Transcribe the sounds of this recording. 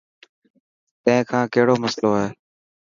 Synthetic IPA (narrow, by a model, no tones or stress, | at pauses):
t̪ə̃ɦɪ̃kʰãːkəɦɪɽoːməsloːeː